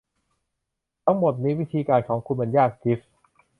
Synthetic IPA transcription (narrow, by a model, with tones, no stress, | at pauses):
t̪ʰa˦˥ŋmo˨˩t̪̚ni˦˥wi˦˥t̪ʰiː˧kaː˧nkʰɔː˩˦ŋkʰu˧nma˧njaː˥˩k̚t͡ɕi˦˥f